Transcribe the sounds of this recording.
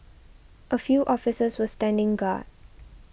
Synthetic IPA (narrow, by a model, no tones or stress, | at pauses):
ʔəfjuːʔɔfɪsəswəstæ̃ndɪ̃ŋɡa̰ːd̚